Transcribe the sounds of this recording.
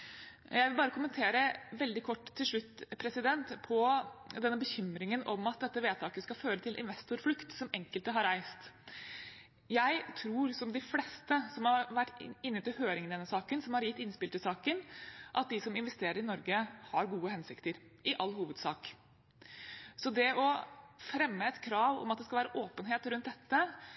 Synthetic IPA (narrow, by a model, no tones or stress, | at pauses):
jæɪʋɪlbɑːɾəkʊmənt̪ʰeːɾəʋɛld̪ɪkʰɔʈːt̪ʰːɪlʂɭʉt̪ːpʰɾɛsɪd̪ɛnt̪pʰɔd̪ɛnːəbəçʏmɾɪŋənɔmɑt̪̚d̪ɛt̪ːəʋeːt̪ʰɑːkəskɑføːɾət̪ʰɪlʔɪ̰nʋɛst̪ʊɾflʉkt̪sɔmɛŋkəlt̪əɦɑɾæɪst̪ | jæɪt̪ʰɾuːɾsɔmd̪ɪflɛst̪əsɔmhɑɾʋæʈːɪnːət̪ʰɪlhøːɾɪŋnɛnːəsɑːkənsɔmhɑɾjɪt̪ːɪnspɪlt̪ɪsɑːkənʔɑt̪̚d̪ɪsɔmɪnʋɛst̪eːɾəɾɪnɔɾɡəhɑɾɡuːəhɛnsɪkt̪əɾ | ʔɪʔɑlːhuːʋəd̪sɑːk | sɔd̪ɛʔɔfɾɛmːəɛt̪kʰɾɑːʋɔ̰mɑt̪̚d̪ɛskɑlʋæːɾəʔoːpənɦeːt̪ɾʉnt̪̚d̪ɛt̪ːə